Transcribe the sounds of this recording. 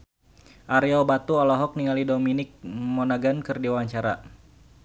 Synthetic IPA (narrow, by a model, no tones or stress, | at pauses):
ʔaɾiɔbat̪uɔlɔɦɔk̚niŋalidominɪk̚mɔnaɡankɨrdiwaɲt͡ʃaɾa